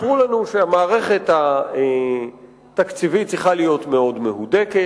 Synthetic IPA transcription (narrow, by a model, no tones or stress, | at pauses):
ʁulanuʃeamaːʁe̞χe̞ta | t̪akt͡sivit͡sʁiχalijo̞tme̞o̞dme̞hudeke